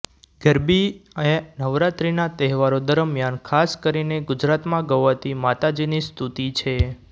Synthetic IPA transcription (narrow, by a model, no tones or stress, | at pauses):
ɡəɾbiəenəʋɾat̪ɾinat̪ɛɦʋaɾod̪əɾmjankʰaskəɾineɡʊd͡ʒɾat̪mãɡəʋat̪imat̪ad͡ʒinist̪ʰut̪it͡ʃʰe